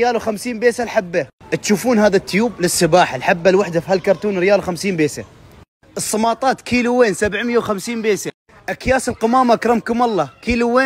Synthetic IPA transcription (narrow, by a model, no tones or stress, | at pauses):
jaːlwxamsiːnmbeːsalħabːat̪ʃuːfuːnhaːðat̪ːʊjuːblɪsːɪbaːħalħabːalwaħd̪afhalkɑɾˤt̪uːnɾɪjaːlwxamsiːnbeːsa̰ | ʔɨsˤːɑmɑːt̪ˤɑːt̪kiːluweːnsabʕmɪjːawxamsiːnbeːsa | ʔakjaːsɪlqɑmaːmakɾˤɑmkʊmɑlˤːɑkiːluweː